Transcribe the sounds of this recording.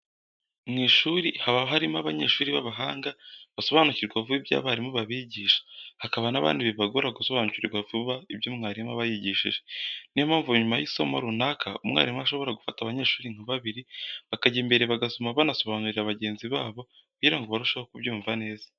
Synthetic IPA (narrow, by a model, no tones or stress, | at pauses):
mŋiːʃuɾihaβaβɦaɾimaβaɲeːʃuːɾiβaβaɦaːŋɡaβaso̞βaːnuciɾɡwavuibja̰βaɾimuβaβiɟiːʃḁhakaβanaβa̰ːndiβiβaɡoɾaɡuso̞βanuciɾiɡwavuβaibjoːmŋaːɾimaβajiɟiʃḭʒenimaːɱvuɲumajiso̞mo̰ɾunakʰaumŋa̰ɾimuaʃo̞βo̞ɾaɡufataβaɲeːʃuːɾiŋ̥haβaβiɾiβakaɟimbe̞ɾe̞βaɡasomaβanaso̞βaːnuɾiɾaβaɟe̞ːnziβaːβo̞ | kuɟiɾaŋɡoβaɾuʃahokubɟuːɱvane̞ːzḁ